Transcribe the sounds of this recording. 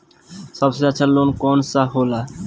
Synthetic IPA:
sʌbseaːʃʰalonkɔnsaɦola

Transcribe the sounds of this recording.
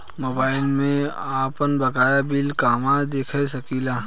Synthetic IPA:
moːbaːɪlmẽaːpənbɐkaːjabɪlkaːmad̪eːkʰesɐkiːlaː

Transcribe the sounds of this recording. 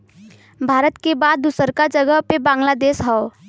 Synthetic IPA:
bʱaːɾət̪kebaːd̪̚ːusəɾkad͡ʒəɡəɦpebãːŋɡlad̪eːʃɦɛo

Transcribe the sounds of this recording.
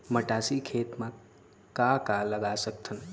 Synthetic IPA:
məʈasikʰet̪ma | kakaləɡasək̚t̪ʰən

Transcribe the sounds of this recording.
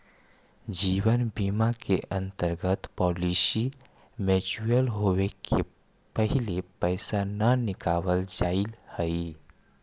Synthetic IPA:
d͡ʒiːwənbimakeʔə̃nt̪əɾɡət̪pɔːlisi | med͡ʒuɾəlɦowekʰe | pəɦilepəɪsanənɪkaːʋəld͡ʒailhəi

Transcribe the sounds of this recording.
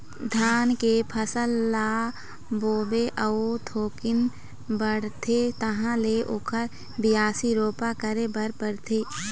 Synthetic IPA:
d̪ʱjaːnkepʰəsəlːaː | boːbeʔəot̪ʰoːkɪn | bəɽ̤t̪ʰet̪ɐɦãleʔokʰəɾ | bɪjaːsiɾoːpakəɾebəɾpəɽt̪ʰeː

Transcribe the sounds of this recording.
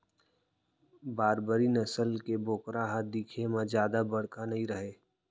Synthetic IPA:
baːɾbəɾinəsəlkeboːkɾaɦad̪iːkʰemãzjaːd̪abəɽ̤kanɐɦĩɾəɦeː

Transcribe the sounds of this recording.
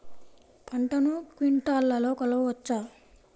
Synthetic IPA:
pʰɐɳʈɐnukʋiɳʈaːlːɐlo̞ːkɐlɐʋuʋɐt͡ʃːaː

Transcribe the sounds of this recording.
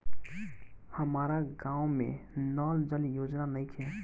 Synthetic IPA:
həmaɾaɡãwmḛ̃nɔːld͡ʒəlijod͡ʒnanəɪkʰɛ

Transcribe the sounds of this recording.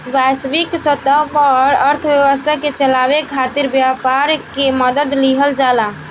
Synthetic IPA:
basbiksət̪əpɔɾəɾt̪ʰbjəʋəst̪ʰaket͡ʃəlabekʰːat̪iɾbjapaɾkeməd̪əd̪liɦəld͡ʒala

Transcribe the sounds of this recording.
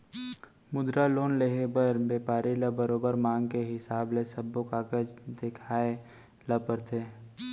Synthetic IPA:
mʊd̪ɾaloːnleɦebəɾbeːpaːɾiləbəɾoːbəɾmãːŋɡkeɦɪsaːblesəbokaːkəd͡ʒd̪ɪkʰaːe | ləpəɾt̪ʰeː

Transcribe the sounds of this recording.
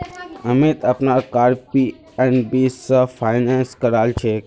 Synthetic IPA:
əmet̪apnakaɾpi | ɛnbisəfʰajnanskəɾalt͡ʃʰe

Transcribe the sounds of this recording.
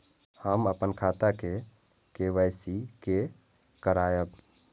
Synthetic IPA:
həməpənkʰat̪ake | keʋəjsike | kəɾajəb

